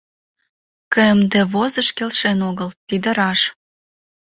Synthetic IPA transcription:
kəəmd̪ĕβozəʃkelʃenoɣəlt̪id̪ə̆ɾɑʃ

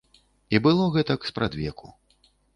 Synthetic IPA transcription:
ibɨlˠɔɣɛt̪ɐkspɾʔad̪vʲɛkʰu

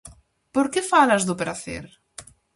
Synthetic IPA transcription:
poɾkefalɐzðʊpɾaθḛɾ

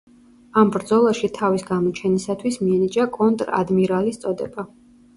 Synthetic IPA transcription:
ambɾd̪zɔlˠaʃit̪ʰavisɡamɔt͡ʃʰɛnisat̪ʰwismiɛnid͡ʒakʼɔnt̪ʼɾa̰d̪miɾalist̪sʼɔd̪ɛba

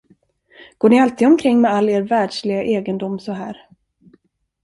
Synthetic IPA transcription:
ɡ̥oːɳɪalt̪ʰiːd̪ɔmkʰɾɪŋːmɛalːeːɾvæːɖʂlɪɡaʔeːɡənd̪ʊmːsɔɦæ̰ːɾ

